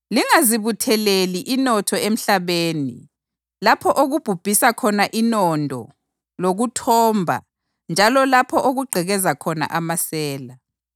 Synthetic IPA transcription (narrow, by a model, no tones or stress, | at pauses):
liŋaziβutʰɛleliʔinɔtʰɔem̩ɬaβeːnḭ | lapʰɔʔoɣub̥ʱub̥ʱisakʰɔnaʔinɔntʼɔ̰ | loɣutʰɔmbʱa̰ | nd͡ʒʱalɔlapʰɔʔoɣuɡ͡ǃʱɛɣɛzakʰɔna̰ʔamasɛːla